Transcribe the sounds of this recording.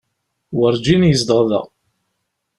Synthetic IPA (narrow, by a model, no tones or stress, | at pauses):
wəɾˤd͡ʒinjəsd̪əʁðə̰ʁ